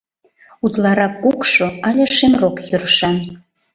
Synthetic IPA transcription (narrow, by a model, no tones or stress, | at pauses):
ut̪lɑɾɑkːukʃoɑlʲeʃemrokjøɾəʃɑn